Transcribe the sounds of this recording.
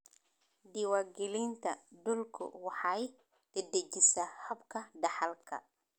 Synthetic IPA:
diwaɡilint̪ɐdɔlkʰṵwaħaj | d̥ɛdɛd͡ʒisahɐbkɐdɐħalkʰɐ̰

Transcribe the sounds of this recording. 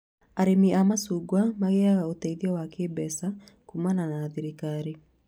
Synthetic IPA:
aɾemiʔamasuɡwamaɣeaɣaotɛiðiɔwakebɛsakumananaːðiɾikaɾe

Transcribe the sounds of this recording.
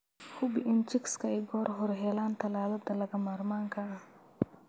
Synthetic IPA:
hʊbɪʔɪnt͡ʃɪkskɐɛjɡɔːɾɦɔɾɦɛːlaːnt̪ʰɐlaːlɐd̪ɐlɐɡɐmaːɾmaːŋkʰaɐ

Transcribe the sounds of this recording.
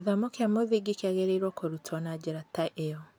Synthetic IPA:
ðamokeamoðiɡikeaɣeɾeɾwɔkoɾutʰɔnad͡ʑeɾataʔeɔ

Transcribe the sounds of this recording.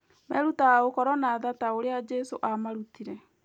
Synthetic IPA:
mɛɾutaaokɔɾɔnaðataoɾead͡ʒɛsoʔamaɾutiɾɛ

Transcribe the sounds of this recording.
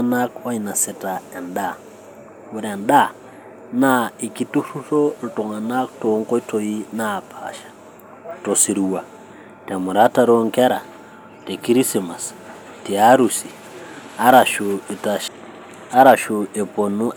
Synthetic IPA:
anakwainasɛtaɛnda | uɾɛnɗa | naikit̪uʂuɬɔɾutɔŋanak̚tɔŋkɔitɔjinaːpʰa̰ʃḁ | tɔsiɾuwa | tamuɾataɾɔŋkɛɾa̰ | tɛkiɾisimas | tiaɾusi | aɾaʃuitaʃ | aɾaʃuɛpɔnu

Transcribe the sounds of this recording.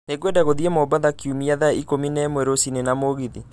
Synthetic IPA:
neɡwedaɣoðiɛmɔbaðakjumiaðaikominɛmwɛɾosinenamoɣiði

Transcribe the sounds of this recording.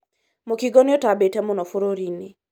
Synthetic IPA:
mokiɡɔnɪɔtabetɛmɔnɔfoɾoɾinɪ

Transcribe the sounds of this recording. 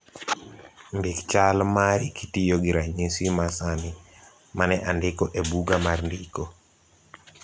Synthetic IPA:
nbɪkt͡ʃalmaɾikitijoɡɪɾaɲisimasami | manɛʔandɪkɔʔebuɡamarndiko

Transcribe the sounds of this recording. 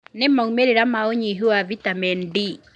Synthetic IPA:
nɪmɔŋmeɾeɾamaoɲiɦuavitamɛnɖi

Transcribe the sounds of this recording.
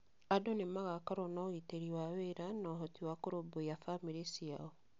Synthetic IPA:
adonemaɣakaɾɔnaɣiteɾiwaweɾanɔɦɔtiwakoɾobojafamiɾesiaɔ

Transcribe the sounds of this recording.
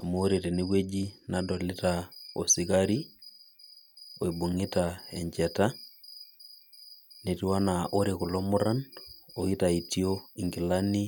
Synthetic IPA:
a̰mooɾeteneβwed͡ʒinadɔletao̰sikaɾi | o̰ibuŋitaɛ̰ɲd͡ʒɛta | netiwanaʔoɾekulɔmuɾanoitaitioiŋɡilani

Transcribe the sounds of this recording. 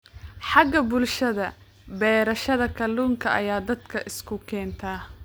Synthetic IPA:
ħɑɡɐbʊlʃɐðɐ | bɛːɾɐʃɐðɐkʰɐluːŋkʰɐʔɐ̰jaːd̪ɐd̪kʰɐʔɪskʰʊkʰɛːnt̪ʰaː

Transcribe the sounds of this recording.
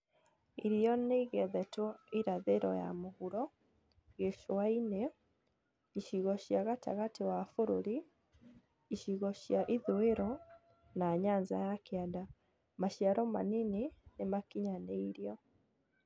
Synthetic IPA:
iɾiɔneiɣɛðɛtɔiɾaðeɾɔ̰ja̰moɣuɾɔ | ɣeʃowainɛ | iʃiɣɔʃiaɣata̰ɣatewafoɾoɾi | iʃiɣɔʃiaʔiðoeɾɔ | naɲaɲza̰jakeada | maʃiaɾɔma̰ninenemakiɲaneiɾiɔ

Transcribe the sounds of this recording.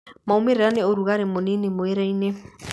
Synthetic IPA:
maomeɾeɾaneoɾuɣaɾemonenemoeɾɛine

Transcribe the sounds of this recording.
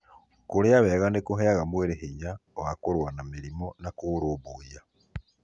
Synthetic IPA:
kuɾeaβeɣanekuɦeaɣamweɾeheɲawakuɾwanamiɾimonakuɾuβuja

